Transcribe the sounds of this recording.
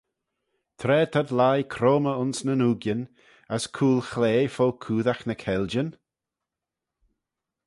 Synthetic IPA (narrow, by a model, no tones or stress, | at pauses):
t̪ʰɾɛːt̪ʰad̪lajkʰɾoːməʊnsnənuːɡjən | əskʰuːlˠxleːfokʰuːðaxnəkʰɛld͡ʒən